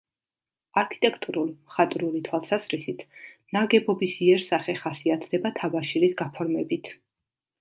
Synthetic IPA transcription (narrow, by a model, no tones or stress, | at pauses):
aɾkʰi̥t̪ʼɛkʰt̪ʼuɾulˠmχat̪ʼɾulit̪ʰwalˠsazɾisit̪ʰnaɡɛbɔbisiɛɾsaχɛχasiat̪ʰd̪ɛbat̪ʰavaʃilisɡapʰɔɾmɛbit̪ʰ